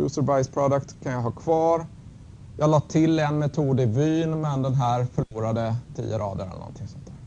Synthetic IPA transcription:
ʉ̰səɾbajspʰɾɔd̪əkt̪kʰanjɑɦɑːkʰv̥ɑːɾ | jɑːlɑːt̪ʰɪlːɛnmɛt̪ʰuːd̪ɪvyːnmɛnd̪ɛnɦæːɾfœɭuːɾad̪ət̪ʰḭːjəɾɑ̰ːd̪əɾɛ̰lːənɔ̰nt̪ʰɪŋsɔnt̪ʰæːɾ

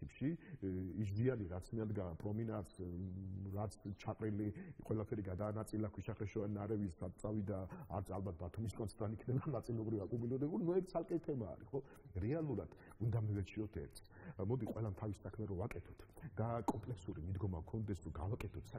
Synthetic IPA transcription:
ipʃiis̬zianiɾat̪sʰmiad̪ɡapʼɾɔminat̪s | ɾat̪sʰt͡ʃʰaqʼɾiliqʼwɛlapʰɛɾiɡad̪aːnat̪sʼilakʰwiʃaχɾɛʃɔaninaɾɛvisat̪t̪sʼavid̪a̰ːɾt̪sʰalˠbat̪̚ʰbat̪ʰumiskʼɔnʰɛɾanikʰnɛbanat̪sʼilɔbɾivakʼumulɛɾɛbulinuɛɾt̪sʰalˠkʼɛt̪ʰɛma̰ːɾiχɔ | ɾɛalˠuɾad̪̥ | und̪amivɛt͡ʃʰiɔt̪ʰɛ̰ɾt̪sʰ | mɔd̪iqʼwɛlamt̪ʰavisakʰmɛɾɔvakʼɛt̪ʰɔt̪ʰd̪̥akʼɔmpʼlɛksuɾimid̪ɡɔmakʰɔnd̪ɛsɾɔɡavakʼɛt̪ʰɔt̪ʰsa

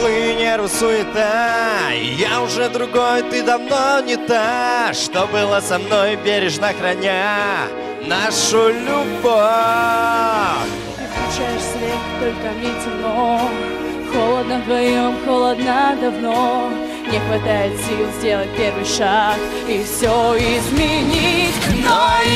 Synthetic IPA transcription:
lˠɨnʲeɾʊsuɪt̪a | jaʊʐɛd̪ɾʊɡojt̪ɨd̪ɐvnonʲɪt̪aʂt̪obɨlˠəsɐmnojbʲeɾʲɪʐnaxɾɐnʲa | naʂʊlʲʊbo | fʲ | t̪ɨsklʲˠʊt͡ɕajɪʂsʲvʲext̪olʲkəɐmnʲetʲɪmno | xolˠəd̪nəɣɨəmxolˠɐd̪nad̪ɐvno | nʲɪxvɐt̪ajɪt̪sʲilˠzʲdʲe̞lˠət̚ʲpʲervɨjʂak | ifsʲoɪzmʲɪnʲitʲn

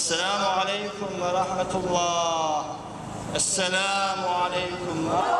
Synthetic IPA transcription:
asːalaːmʊʕalajkʊmwɑɾˤɑħmat̪lˤːɑːh | ʔasːalaːmʊʕalajkʊm

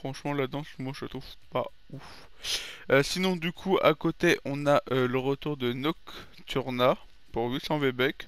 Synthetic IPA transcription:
fχɑ̃ʃmɑ̃lad̪d̪ɑ̃smwaʒət̪χuvpa̰ | uf | øsinɔ̃d̪ykʰua̰kot̪eʔɔ̃naʔøləʁət̪uʁd̪ənɔk | t̪ʰyʁna | puʁvysɑ̃vebɛk

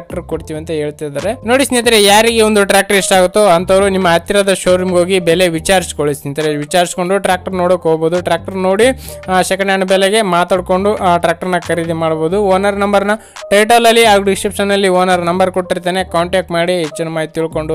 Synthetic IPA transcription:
k̚ʈɐɾkoɽt̪iːʋɐnt̪ɐɦe̞ːɭt̪ajd̪aːɾe̞no̞ːɽisnit̪ɐɾejaːɾiɡeond̪uʈɾaːk̚ʈɐɾiʂʈaːɡut̪ːoɐnt̪ʰɐʋɾunimːɐːt̪ːiɾɐd̪ɐʃoːɾimɡo̞ːɡibɛle̞ʋit͡ʃaːɾisi̥koɭisnit̪ɐɾeʋit͡ʃaːɾisi̥ko̞ɳɖuʈɾaːk̚ʈɐɾnoːɽokoːɡboːd̪uʈɾaːk̚ʈɐɾno̞ːɽi | ʃɐkɐɳjaːɳɐbɛleɡe̞maːt̪aːɽko̞ɳɖuʈɾaːk̚ʈɐɾnːɐkɐɾid̪imaːɽboːd̪uoːnɐɾnɐmbɐɾnɐ | ʈejʈaːlɐlːiaːɡuɖisʈɾipʂɐnːɐlːioːnɐɾnɐmbɐɾkoʈʈːiɾt̪ːaːne̞kaːɳʈaːk̚ʈmaːɽiɦet͡ʃːinumaːit̪iɭko̞ɳɖu

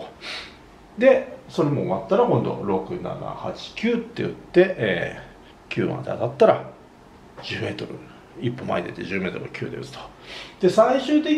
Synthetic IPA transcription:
d̪e̞so̞ɾemomat̪ːaɾakõ̞nd̪o̞̰ɾo̞kɯ̟na̰na̰hat͡ɕi̥kʲɨːt̪ːe̞jɯ̟t̪ːe̞ʔeː | kʲʰɨ̰ːmã̰d̪e̞a̰t̪at̪ːaɾa | d͡ʑɨːme̞ːt̪o̞ɾɯ̟ | ipːo̞ma̰id̪et̪ːeʑɨːme̞ːt̪oɾɯ̟kʲʰɨ̟ːd̪e̞ɯ̟t͡sɨ̥t̪o̥ | d̪̥e̞saiɕɨːt̪e̞kʲ

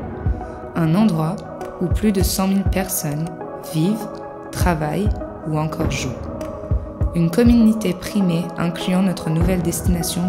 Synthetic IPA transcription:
ɛ̃nɑ̃d̪ʁwa | uplyd̪əsɑ̃milpɛʁsɔn | viv | t̪χavaj | uɑ̃kʰɔʁʒu | ynkɔmynit̪epχimeɛ̃klyɑ̃nɔt̪χənuvɛld̪ɛst̪inasjɔ̃

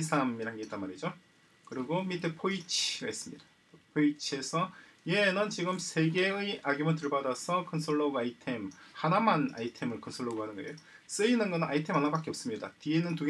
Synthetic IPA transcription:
sʰamiɾanɡet͈anmaɾid͡ʑo | kɯɾiɡomitʰɯpʰoit͡ɕʰiɡais͈ɯmɲidḁ | pʰoit͡ɕʰe̞sʰʌ | jenɯnt͡ɕiɡɯmsʰe̞ɡe̞ɯʔaɡjomɯɭt̬ɯɭbadasʰʌkʰʌnsʰoɭːoɡɯaitʰe̞mhanamana̰itʰe̞mɯɭkʰʌnsʰoɭːoɡoɦanɯnɡʌejo | s͈ɯinɯnɡʌnɯna̰itʰe̞manːapak͈e̞ʌp̚s͈ɯmɲida̰tienɯntuɡ

